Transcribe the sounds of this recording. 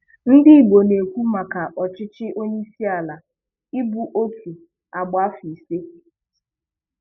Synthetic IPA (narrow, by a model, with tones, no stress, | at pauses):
n̩˦dɪ˦i˦˨ɡ͡bo˨ne˨kʷu˦ma˨ka˨ʔɔ˨t͡ʃɪ˦t͡ʃɪ˦ʔo˦ɲe˦i˦si˦a˨la˨ | ɪ˦bu˨ʔo˦kʰi˨ | a˨ɡ͡ba˦fi˨se˦